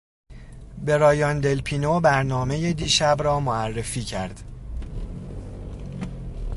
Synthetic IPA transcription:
be̞ɾɒːjɒnd̪e̞lpʰiːnobæɾnɒːme̞jed̪iːʃæbrɒːmoærːe̞fiːcʰæ̰ɾd̪̥

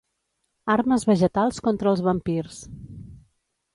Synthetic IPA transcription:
arməzβəʒət̪alˠskɔnt̪ɾəːlˠzβəmpirs

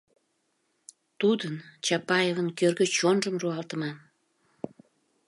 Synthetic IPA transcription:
t̪ud̪ənt͡ɕɑpɑjevənkørɣət͡ɕonʒəmruɑlt̪əmɑn

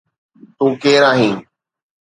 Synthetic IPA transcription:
t̪ũːkeːɾaːɦĩː

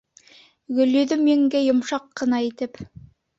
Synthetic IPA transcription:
ɡɵ̆ljɵðɵmjeŋɡæjŏmʃɑqːɤ̆nɑit̪ɘp

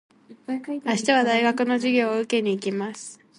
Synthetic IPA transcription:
aɕi̥t̪aβ̞ad̪aiɡakɯ̟no̞ʑiɡʲo̞ːɯ̟ke̞ɲ̟iːkʲimasɨ̥

